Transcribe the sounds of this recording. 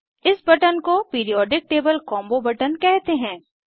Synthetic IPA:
ɪsbɐʈənkopiːɾijɔːɖɪk̚ʈeːbəlkɔ̃ːmbobɐʈənkɛɦt̪eɦɛ̃ː

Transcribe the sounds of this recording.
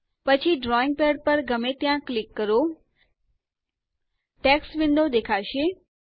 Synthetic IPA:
pət͡ʃʰiɖɾɔɪ̃ŋɡ̚peɖ̚pəɾɡəmet̪jãklɪkːəɾo | ʈeksʋɪ̃nd̪ʱod̪ekʰaʃe

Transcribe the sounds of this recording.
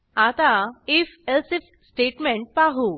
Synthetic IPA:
at̪aifelsif | sʈeʈmẽɳʈ̚paɦu

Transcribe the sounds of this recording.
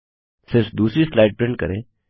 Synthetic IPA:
sɪɾfd̪uːsɾislaɪʈ̚pɾɪ̃ɳʈ̚kə̰ɾeː

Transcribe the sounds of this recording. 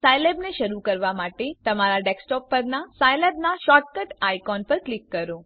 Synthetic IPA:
sajlebneʃəɾukəɾʋamaʈet̪əmaɾaɖeksʈɔpːəɾnasajlebnaʃɔʈ̚kəʈajkɔnpəɾklikːəɾo

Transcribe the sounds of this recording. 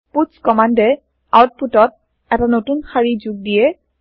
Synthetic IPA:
puskɔmandɛ | a̰wt̚putɔt̚ | ɛtanotunxaɹizuɡ̚dijɛ

